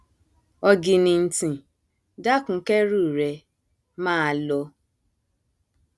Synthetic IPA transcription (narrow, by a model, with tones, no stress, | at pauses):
ɔ˧ɡi˧nĩ˧n̩˦tĩ˨ | da˦kũ˨˦kɛ˦ɾu˦˨ɾɛ˨ | mãː˦˧˦lɔ˧